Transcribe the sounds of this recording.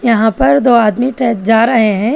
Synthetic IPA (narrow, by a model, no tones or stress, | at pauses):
jɐɦãpɐɾd̪oːaːd̪miʈɛːt̚d͡ʒaːɾɐɦeɦɛ̃ː